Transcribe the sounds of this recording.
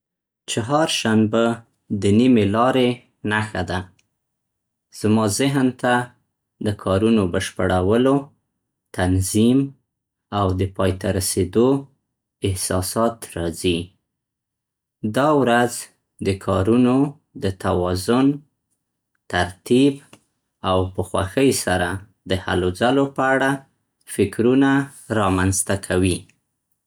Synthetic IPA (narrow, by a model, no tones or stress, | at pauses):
t͡ʃaɦɑɾʃanba | d̪ənimelɑɾe | naxad̪a | z̥mɑzɪɦnt̪a | d̪əkʰɑɾunobəʃpəɽawəlo | t̪anzim | awd̪əpɑjt̪aɾased̪o | ɪhsɑsɑt̪ɾɑzi | d̪ɑwɾaz | d̪əkʰɑɾuno | d̪ət̪awɑzʊn | t̪aɾt̪ib | awpəxwa̰xəjsaɾa | d̪əha̰lozalopəaɽa | fɪkɾunaɾɑmanzt̪akʰawi